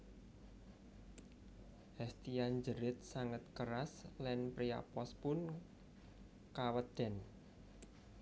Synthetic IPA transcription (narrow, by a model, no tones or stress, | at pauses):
hɛst̪ijand͡ʒəɾɪt̪̚saŋət̪̚kəɾaslɛnpɾia̰pɔspʊn | kawəd̪̥ɛ̤n